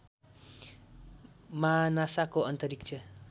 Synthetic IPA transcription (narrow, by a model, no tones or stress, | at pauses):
manasakoʌnt̪ʌɾikt͡ʃʰʌ